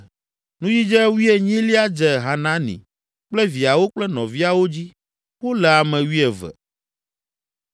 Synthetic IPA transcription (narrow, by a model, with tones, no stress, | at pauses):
nũ˦ji˦d͡ʒɛ˦wi˦ɛ˨ɲĩ˦li˦a˦d͡ʒɛ˨ɦa˨nã˦nḭ̃˨ | k͡plɛ˦vi˨a˨wo˦k͡plɛ˦nɔ̃˨vi˦a˨wo˦d͡ʑi˦ | wo˦lɛ˨a˨mɛ̃˨wi˦ɛ˨vɛ̰˨